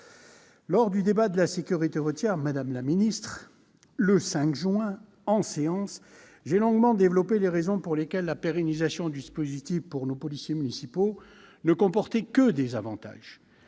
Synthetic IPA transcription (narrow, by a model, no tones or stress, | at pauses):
lɔʁd̪yd̪ebad̪əlasekʲyʁit̪eʁət̪jɛʁmad̪amlaminist̪χ | ləsɛ̃kʒɥɛ̃ | ɑ̃seɑ̃s | ʒelɔ̃ɡmɑ̃d̪evlɔpeleʁezɔ̃puʁlekʲɛlːapeʁenizasjɔ̃d̪yispozit̪ifpuʁnopɔlisjemynisipo | nəkɔ̃pɔʁt̪ɛkəd̪ezavɑ̃t̪a̰ʒ